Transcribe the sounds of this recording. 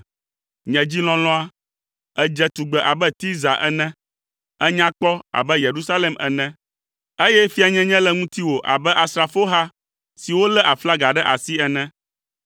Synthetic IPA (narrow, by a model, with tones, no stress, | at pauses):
ɲɛ̃˨d͡ʑi˦lɔ̃˦lɔ̃˦a˦ | ɛ˦d͡ʒɛ˦t̪u˨ɡ͡bɛ˨ʔa˨bɛ˦t̪i˦za˨ʔɛ̰˦nɛ̃˦ | ɛ˦ɲã˦k͡pɔ˦a̰˨bɛ˦je˨ɾu˦sa˦lɛ˨mɛ̰˨nɛ̃˦ | e˦jɛ˦fi˦a˨ɲɛ̃˦ɲɛ̃˦lɛ˦ŋũ˦t̪i˦wo˨ʔa̰˨bɛ˦ʔa˨st̪ɾa˨fo˦ɦa˦ | si˨wo˦lɛ˦ʔa˨fla˦ɡa˨ɖɛ˦ʔa˨si˦ɛ˨nɛ̃˦